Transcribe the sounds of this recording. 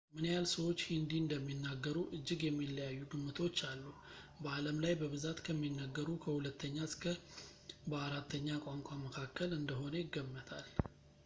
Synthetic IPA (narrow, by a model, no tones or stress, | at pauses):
mɨnjalsəwo̞t͡ʃːhind̪iɨnd̪əmːinːaɡːəɾuʔɨd͡ʒːɪɡjɛmːilːəjajːuɡɨmːɨt̪ʰo̞t͡ʃːalːu | bəaləmlajbəβɨzat̪kʰəmːinːəɡːəɾukʰəhulət̪ʰːəɲːaskʰə | bəaɾat̪ʰːəɲːakʷʼaŋkʷʼaməkʰakːəlɨnd̪əɦo̞nəjɪɡːəmːət̪ʰal